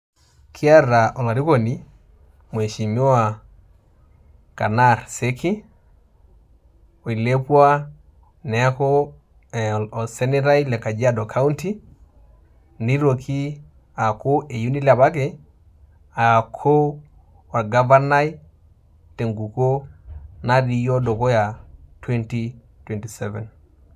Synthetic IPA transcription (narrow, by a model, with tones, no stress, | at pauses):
kʰi˦a˦ɾa˨ʔɔ˨la˨ɾi˦ko˨ni˦ | mwe˨ʃi˨mo˦a˨ | ka˨na˦ɾse˦ki˦ | o˨i˨le˦pwa˦ | nɛ˨˦ko˦ | ɔ˨sɛ˦ni˦ɾa˦i˦lɛ˨ka˨d͡ʒa˦dɔ˨kʰa˦u˦nti˦ | ni˦ɾo˨ki˦ | a˨ko˦ʔe˨ju˦ni˦la˨ba˦k̬e˨ | a˨kʰo˦ | wa˨ɡa˦va˦na˦j | te˨ŋɡu˨ko˦na˦di˨jo˦do˨ko˦ja˨twe˦nti˦ | twe˨nti˨sɛ˦vɛ˨n